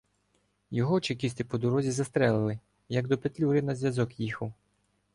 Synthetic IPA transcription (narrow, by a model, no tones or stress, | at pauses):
jɔɦɔt͡ʃekʲist̪ɪpɔd̪ɔɾɔzʲizɐst̪ɾɛlˠɪlˠɪ | jɐɡ̚d̪ɔpet̪lʲuɾɪnɐzʲjɐzɔkjixɐw